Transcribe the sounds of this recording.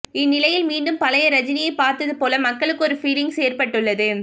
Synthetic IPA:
ɪnːɪlɐjɪlmiːɳɖɯmpɐlɐjɐɾɐd͡ʒɪnɪjɐɪpaːɾt̪ɐðɯpoːlɐmɐkːɐɭɯkːɯɔɾɯfiːlɪŋɡseːɾpɐʈːɯɭːɐðɯ

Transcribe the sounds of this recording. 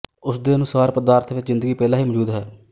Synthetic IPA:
ʊsd̪eːənʊsaːɾpəd̪aːɾt̪ʰʋɪt͡ʃzɪ̃nd̪əɡiːpɛːlaːɦiːmɔd͡ʒuːd̪ɦɛː

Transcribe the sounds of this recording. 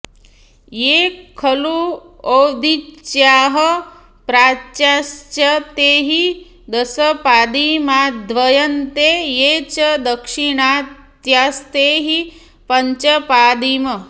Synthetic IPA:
jeːkʰːɐlu | oːd̪it͡ʃjaːɦɐ | pɾaːt͡ʃast͡ʃɐt̪eːɦi | d̪ɐsɐpaːd̪imaːd̪ʋɐjɐnt̪ejeːt͡ʃɐd̪ɐkʂiɳaːt̪jaːst̪eːɦi | pɐɲt͡ʃɐpaːd̪imɐ

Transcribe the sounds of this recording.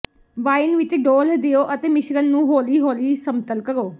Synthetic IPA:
ʋaːɪnʋɪt͡ʃɖoːld̪ɪjoːʔət̪eːmɪʃɾənːũːɦoːliːɦoːliːsəmt̪əlkəɾoː

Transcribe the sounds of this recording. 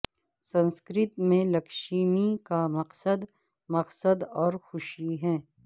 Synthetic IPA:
sɐ̃nskɾɪt̪mẽlɐkʃiːmikamɐqsəd̪ | mɐqsəd̪ɔːɾxʊʃiɦɛ̃ː

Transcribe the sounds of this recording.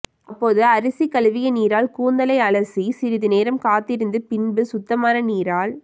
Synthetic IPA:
ɐpːoːðɯɐɾɯsikɐlʋɪjɐniːɾaːlkuːnd̪ɐlɐɪɐɭɐsisɪɾɪðɯneːɾɐmkaːt̪ːɪɾɯnd̪ɯpɪnbɯsʊt̪ːɐmaːnɐniːɾaːl

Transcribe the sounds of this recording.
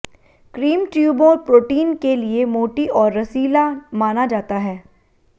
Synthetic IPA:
kɾiːmʈjuːbõɾpɾoːʈiːnkeliemoːʈiʔɔːɾːɐsiːlamaːnad͡ʒaːt̪aɦɛː

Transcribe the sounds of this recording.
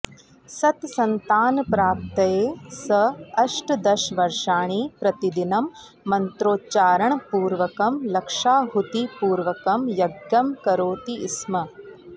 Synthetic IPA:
sɐt̪sɐnt̪aːnpɾaːp̚t̪ɐjeːsɐɐʂʈd̪ɐʃʋɐɾʂaːɳipɾɐt̪id̪inɐmː | ɐnt̪ɾoːt͡ʃaːɾɐɳpuːɾʋɐkɐmlɐkʂaːɦut̪ipuːɾʋɐkɐmjɐɡjɐmkɐɾoːt̪iːsmɐ

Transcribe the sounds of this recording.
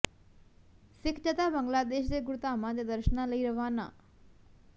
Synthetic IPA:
sɪkʰt͡ʃət̪aːbəŋɡlaːd̪eːʃd̪eːɡʊɾt̪aːmãd̪eːd̪əɾʃənãləiːɾəʋaːna̰ː

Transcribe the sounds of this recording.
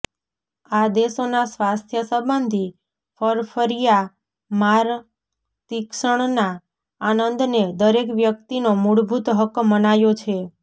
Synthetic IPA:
ad̪esonasʋast̪ʰjəsəbənd̪ʱi | fʰəɾpʰəɾija | maɾ | t̪ikʃəɳ̃naː | nənd̪ned̪əɾekʋjək̚t̪inomuɽbʱut̪ɦəkmənajot͡ʃʰe

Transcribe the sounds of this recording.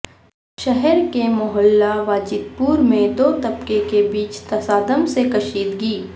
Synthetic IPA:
ʃɛɦɛɾkemʊɦəlːaʋaːd͡ʒɪd̪̚puːɾmẽd̪oːt̪ɐpkekebiːt͡ʃt̪ɐsaːd̪əmsekɐʃiːd̪ɡiː

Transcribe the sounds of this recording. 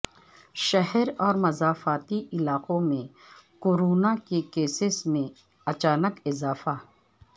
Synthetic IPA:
ʃɐɦɛɾɔːɾmɐzaːfaːt̪iʔɪlaːqõmẽ | koɾoːnakekeːsɪsmẽ | ɐt͡ʃaːnəkɪzaːfa

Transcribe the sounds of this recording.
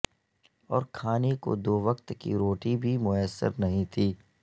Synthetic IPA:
ɔːɾkʰaːneko̰d̪oːʋəqt̪kḭɾoːʈibʱimʊəsːə̰ɾnɐɦĩt̪ʰiː

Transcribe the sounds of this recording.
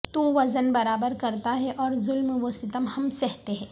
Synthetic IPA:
t̪uːʋɐzənbɐɾaːbəɾkɐɾt̪aɦɛʔɔːɾzʊlmʋost̪ɪt̪əmhɐmsɛɦt̪eɦɛ̃ː

